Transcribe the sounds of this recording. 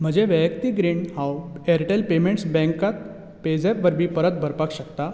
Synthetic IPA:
m̤əd͡ʑeʋəjəkt̪iːɡɾiːɳhaweɾʈelpemeɳʈsbɛ̃ŋkat̪ | ped͡zepʋəɾbʱiːpəɾət̪̚bʱəɾpakɕək̚t̪a

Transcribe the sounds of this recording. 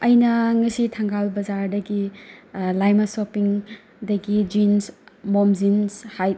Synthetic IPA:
ɐjnɐŋɐsitʰɐŋɡawbɐzaɾdɐɡi | lajmasopiŋ | dɐɡid͡ʒinsmomzinshaj

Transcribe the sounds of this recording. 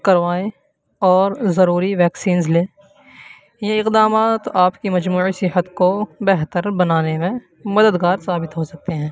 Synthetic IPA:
kɐɾʋaːe | ɔːɾzɐɾuːɾiʋɛːksiːnzleː | jaɪqd̪aːmaːt̪aːpkimɐd͡ʒmuːʕisɪɦət̪kobɛɦt̪əɾbɐnaːnemẽ | mɐd̪əd̪ɡaːɾsaːbɪt̪ɦosɐk̚t̪eɦɛ̃ː

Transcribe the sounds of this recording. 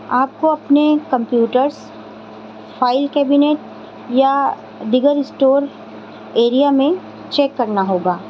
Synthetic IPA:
aːp̚koɐpnekɐ̃mpjuːʈəɾs | fʰaːɪlkɛːbineːʈ | ja | d̪ɪɡəɾɪsʈoːɾ | eːɾijamẽ | t͡ʃeːkːɐɾnaɦoːɡaː

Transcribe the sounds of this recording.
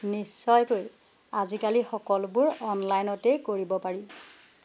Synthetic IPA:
nisːɔjkoj | azikalixɔkɔlbʊɹɔnlajnɔtekoɹibɔpaɹi

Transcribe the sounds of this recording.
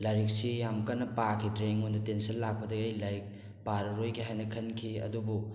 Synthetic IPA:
laɾik̚sijamkɐnːɐpakʰidɾeŋondɐtensɐnlak̚pɐdɐɡɐjlajk̚ | paɾɐɾojɡiɦajnɐkʰɐnkʰiɐ̰dubu

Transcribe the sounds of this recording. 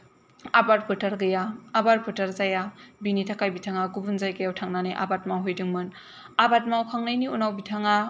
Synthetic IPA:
abaɾ̚pʰɯtaɾɡɯjaːbaɾ̚pʰɯtaɾzajabinitʰakajbitʰaŋaɡubunzajɡajawtʰaŋnaneʔa̰bat̚mawɦojdɯŋmɯn | abat̚mawkʰaŋnajniunawbitʰaŋa

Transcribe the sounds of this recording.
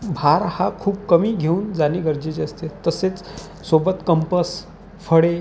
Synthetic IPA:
bʱaɾhakʰuːb̚kəmiːɡʱeuːnd͡zaniɡəɾd͡ʑet͡ɕeəst̪et̪ːəset͡s | sobət̪kəmpəs | fəɽe

